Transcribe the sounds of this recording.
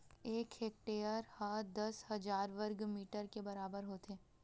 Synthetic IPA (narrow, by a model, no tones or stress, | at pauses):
eːkeːk̚ʈeːəɾhɐd̪ɐshɐd͡ʒaːɾʋəɾɡmiːʈəɾkebɐɾaːbəɾɦoːt̪eː